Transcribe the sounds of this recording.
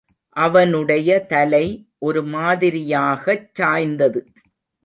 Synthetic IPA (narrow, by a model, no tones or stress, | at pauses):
ʔɐʋɐnɯɽɐjɐt̪ɐlɐɪʔɔɾɯmaːðɪɾɪjaːɣɐt͡ʃːaːjnd̪ɐðɯ